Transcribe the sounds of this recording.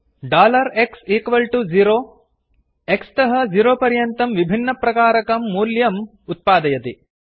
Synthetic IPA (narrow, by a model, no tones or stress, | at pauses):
ɖaːlɐɾeksiːkʋɐlʈud͡ʒiɾoː | ekst̪ɐɦɐd͡ʒiɾoːpɐɾjɐnt̪ɐmʋibʱinːɐpɾɐkaːɾɐkɐmːuːljɐm | ut̪̚paːd̪ɐjɐt̪i